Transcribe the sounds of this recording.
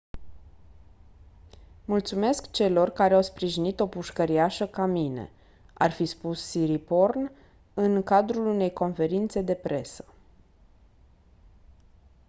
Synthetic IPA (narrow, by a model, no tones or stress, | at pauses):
mult̪sume̞skt͡ʃe̞lo̞rkaɾeawspɾiʒinit̪o̞puʃkəɾiaʃəkamine̞̰ | a̰rfispusːiɾipo̞rn | ɨŋkad̪ɾulune̞jko̞nfe̞ɾint̪se̞d̪e̞pɾʔe̞sə̥